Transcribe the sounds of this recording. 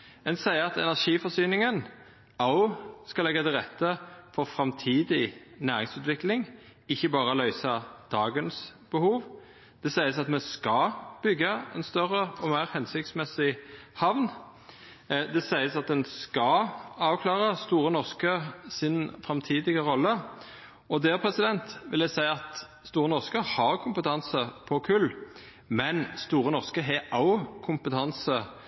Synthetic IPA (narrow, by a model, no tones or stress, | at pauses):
ɛnsæɪəʁɑt̪ɛnæʂiːfɔsyːnɪŋən | ɑʊskɑlɛɡːɑt̪ʰɪlʁɛt̪ʰːəfɔʁfɾɑmt̪ʰiːd̪ɪnæːʁɪŋsʉːt̪ʋɪklɪŋ | ɪçːəbɑːʁəlœʏsɑd̪̥ɑːɡənsb̥əhuːʋ | d̪̥ɛsæɪəsɑt̪mɛskɑb̥ʏɡːɑɛ̰nst̪œʁəɔmæɪʁhɛnsɪkt̪smɛsɪhɑʋn | d̪ɛsæɪəsɑt̪̚d̪ɛnskɑɑːʋkʰlɑːʁəst̪uːʁənɔʁskəsɪnfʁɑmt̪ʰiːd̪ɪɡəʁɔlːə | ɔd̪ɛːpʰɾɛsɪd̪ɛnt̪ʋɪld̪æɪsæɪɑt̪ | st̪uːʁənɔʁskəhɑʁkʰʊmpət̪ʰɑnsəpʰɔkʰʉl | mɛnst̪uːʁənɔʁskəɦɛʔɑʊkʰʊmpət̪ʰɑnsə